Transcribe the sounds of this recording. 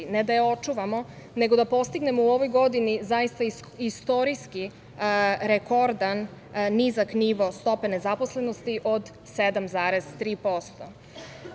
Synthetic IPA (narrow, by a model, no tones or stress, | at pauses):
ned̪ajeo̞t͡ʃuʋamo̞ | ne̞ɡo̞d̪apost̪iɡne̞mouo̞ʋojɡo̞d̪inizajist̪a | ist̪o̞ɾiski | ɾeko̞ɾd̪anː | izakniʋo̞st̪o̞pe̞ne̞zapo̞sle̞nost̪iʔod̪ | sed̪amzaːɾe̞z̥t̪ɾiːpo̞st̪o